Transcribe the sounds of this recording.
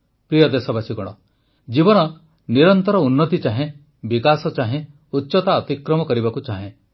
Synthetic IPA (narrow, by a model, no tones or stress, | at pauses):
pɾijɔd̪esɔbasikɔɽ̃ɔ | d͡ʒibɔnɔ | niɾɔnt̪ɔɾɔunːɔt̪it͡ʃaɦẽ | bikasɔt͡ʃaɦẽ | utːʃɔt̪aɔt̪ikɾɔmɔkɔɾibakut͡ʃaɦẽ